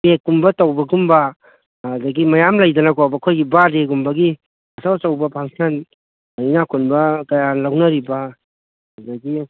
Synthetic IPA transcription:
pek̚ːumbɐtɐwbɐɡumbɐ | dɐɡimɐjamlɐjdɐnɐkʰobɐkʰojɡibadeɡumbɐɡi | ɐsawtawbɐpʰaŋsɐn | inakʰunbɐkɐjanlawnɐɾibɐ | ɐdɐɡi

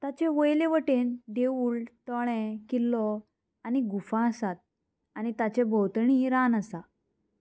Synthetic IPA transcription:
t̪at͡ɕeʋəjlẽʋəʈend̪euːlt̪ɔɭ̃ɛ̃kilːɔ | aniɡufãəsat̪̚ | anit̪at͡ɕebʱɔwt̪ɳiɾanəsa

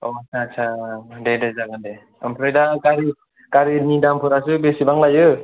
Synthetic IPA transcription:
oasʰaːsʰadedazaɡande | ɯmpʰɾajdakaɾi | kaɾinidampʰɯɾasɯbesibaŋlajɯ

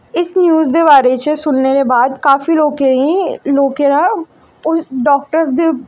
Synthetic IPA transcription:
ɪsnjuːzd̪eːʋaːɾet͡ʃəsʊnneɾebaːd̪kaːfiloːkeĩloːkeɾa | ʊsɖɔːk̚ʈəɾsd̪iː

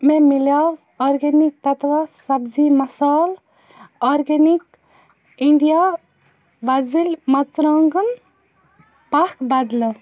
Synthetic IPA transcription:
memilaːs | ɔːɾɡenik̚t̪ɐt̪ʋasɐbzimɐsaːl | ɔːɾɡenik | iɳɖijaː | ʋɐzilmɐt͡sɾaːŋɡəm | pɐkʰbɐd̪l

